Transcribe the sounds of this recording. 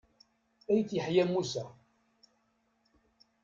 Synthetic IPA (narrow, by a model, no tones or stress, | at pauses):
æjθjəħjæmːusæ